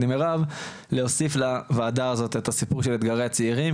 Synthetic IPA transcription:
dimeʁav | leosiflavaːd̪aazo̞t̪e̞t̪asipuʁʃelet̪ɡaʁeat͡siːʁim

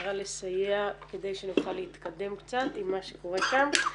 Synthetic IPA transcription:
ʁale̞sajeake̞d̪e̞jʃenuχalːeit̪kad̪e̞mkt͡sat̪imːaʃeko̞ʁeʃam

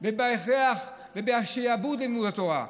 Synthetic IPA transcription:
bebaeχeaχ | vebeaʃejabutdlemudat̪oʁa̰

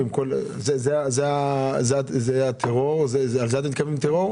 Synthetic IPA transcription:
imkolzezeazeazeat̪zeat̪ʰeʁoʁzezalzeat̪emit̪kavimt̪eʁoʁ

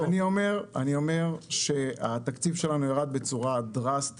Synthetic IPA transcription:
aniome̞ʁa̰nio̞me̞ʁʃe̞at̪akt͡sivʃe̞lanujaʁad̪̚be̞t͡suʁad̪ʁast̪

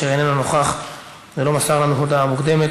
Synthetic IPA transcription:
eenenono̞χaχ | zelo̞masaʁlanuɦud̪aːmukd̪e̞me̞

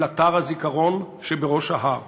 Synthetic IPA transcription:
at̪aʁazikaʁo̞n | ʃebeʁo̞ʃaɦaʁ

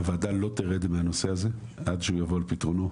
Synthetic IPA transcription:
vaːd̪alo̞t̪eʁed̪meano̞se̞aze | ad̪ʃeujavo̞alpit̪ʁono

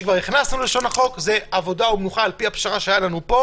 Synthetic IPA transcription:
kvaʁniχnasnuleʃo̞naχo̞kze̞avo̞daumnuχaːlpiapʃaʁaʃeajalanupo̞

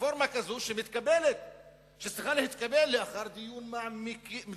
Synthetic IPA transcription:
foɾmakazoʃemit̪kabelet̪̚ | ʃet͡ssʁiχalehit̪kabelːeaχaɾd̪ijunmaʕmikm

